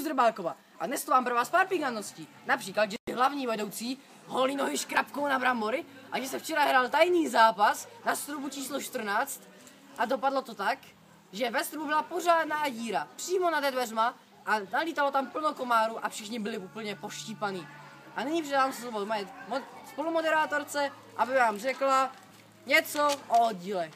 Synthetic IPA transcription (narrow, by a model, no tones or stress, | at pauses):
uzd̪r̩baːkova | ʔadnɛst̪omaːmpɾvaːspaɾpɪɡanosci | napr̥iːklad̪ʒɛsɪɦlavɲiːvɛdowt͡siː | ɦolɲinoɦɪʃkɾapkownabɾamboɾɪ | ʔaʒɛsɛft͡ʃɛɾaɦɾaːlt̪ajniːzaːpasnast̪ɾubut͡ʃiːsloʃt̪r̩naːt͡st̪ | ʔadopadlot̪o̞t̪ak | ʒɛvɛst̪ɾububɪlaporaːdnaːjiːɾapr̥iːmonadɛdvɛrma | ʔanaliːt̪alo̞t̪ampl̩nokomaːɾuʔafʃɪxɲɪbɪlɪupl̩ɲɛpoʃciːpaniː | ʔanɪɲipr̥ɛdaːmsvomaɛmspolumodɛɾaːt̪oɾt͡sɛ | ʔabɪvaːmr̝ɛkla | ɲɛt͡soʔood̪̚ɟiːlɛ